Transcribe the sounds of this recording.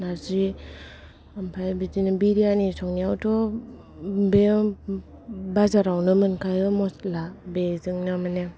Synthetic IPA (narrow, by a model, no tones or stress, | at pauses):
nazi | ampʰajbizinɯbiɾijanisɔŋniawtʰɔ | be | bazaɾawnɯmɯnkʰajɯmɔslabezɯŋnɯmane